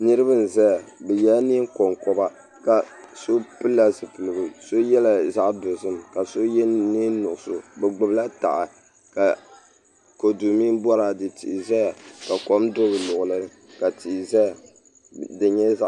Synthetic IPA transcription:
nɨ˦ɾɨ˦bɨ˦n̩˨zɛ˦a˨bɛ˨ja˦ni˦ŋ˦kɔ˨ŋkɔ˨ba˦ | ka˨so˦pɨ˦lːa˦zɨ˨pɨ˨lɨ˨ɡɨ˨so˦jɛ˦la˨za˦ʔdo˨zɨ˦mka˨so˦jɛ˦ni˦nʊ˨ʔʊ˨so˨bɛ˨ɡ͡bɨ˨bla˦ta̰˨ʔa˨ | ka˨ | ko˨du˨mi˦bɔ˦ɾa˨dɨ˨ti˨ʔza˦ja˨ka˨ko˦mdo˦bɨ˨lʊ˨ʔʊ˨lɨ˦nɨ˦ | ka˨ti˨za˦a˨ | dɨ˨ɲɛ˦za˦

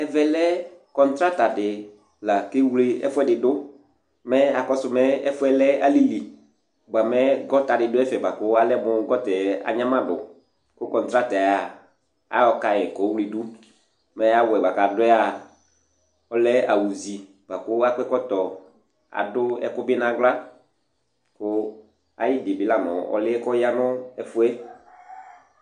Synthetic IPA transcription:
ɛ˦vɛ˨lɛ˦kɔ˨n˦tɾa˦ta˨dɪ˨ | la˨kɪ˦wlɪ˦ɛ̰˦fʊ˦ɛ˦dɪ˨dʊ˦ | mɛ˦a˨kɔ˦sʊ˨mɛ˦ɛ˦fʊ˦ɛ˦lɛ˦a˦li˦li˨ | ɡ͡ba˨mɛ˦ɡɔ˦ta˨dɪ˨dʊ˦ɛ˦fɛ˨ba˨kʊ˦a˦lɛ˦mʊ˦ɡɔ˦tɛ˨a̰˨ɲã˦mã˦dʊ̰˨ | kʊ˦kɔ̃˨ntɾa˦ta˨a˨ | a̰˨˦ɔ˧ka˨jɛ˨kɔ˨˦wli˦du˦ | mɛ˨˦a˦wɛ˨ba˨kaː˨dʊ˦ɛ˦a˨ | ɔ˦lɛ˦a˨wu˨zi˨ | ba˨kʊ˦a˦k͡pɛ˦kɔ˦tɔ˨ | a̰˨dʊ˦ɛ̰˦kʊ˦bɪ˦nã˨˦ɡ͡bla˦ | kʊ˦ | a̰˨jɪ˦dɪ˨bɪ˨˦la˦nɔ̰˨ɔ̰˨lɪ˦ɛ˦kɔ˦ja˦nʊ˦ɛ˦fʊ˦ɛ˦

